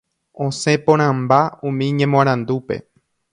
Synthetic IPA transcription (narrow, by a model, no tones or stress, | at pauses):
õsẽ̞põɾ̃ãmbaũmĩɲẽmõãɾ̃ãnd̪upe̞̰